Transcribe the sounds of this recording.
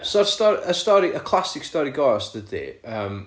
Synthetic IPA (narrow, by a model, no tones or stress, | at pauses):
sɔɾstɔɾəstɔɾiʔəkʰlˠasɪkstɔɾiɡɔɔsd̥ədḭəm